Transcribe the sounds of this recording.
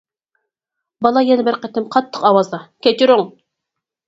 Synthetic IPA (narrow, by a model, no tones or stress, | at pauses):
bɑlˠɑjɛnɪbɪɾqɛt̪ːɪmqʰɑt̪ʰːə̥qɑwɑzd̪ɑkʲet͡ʃʰiɾʊŋ